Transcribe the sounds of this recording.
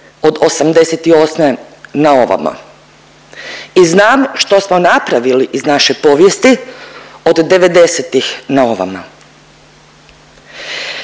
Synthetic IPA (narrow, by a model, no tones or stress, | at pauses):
o̞d̪o̞samd̪e̞set̪io̞smenao̞ʋa̰ma̰ | iznaːmʃt̪o̞smo̞napɾaʋiliʔiznaʃepo̞ʋjest̪i | o̞d̪ːe̞ʋe̞d̪e̞set̪ixnao̞ʋa̰ma̰